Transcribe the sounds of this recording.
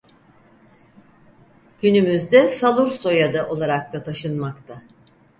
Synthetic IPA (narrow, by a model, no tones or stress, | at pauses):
ɟ̥ynymyzd̪ɛsalˠuɾso̞jad̪aʔo̞lˠaɾak̚t̪at̪ʰaʃɯnmakt̪ʰa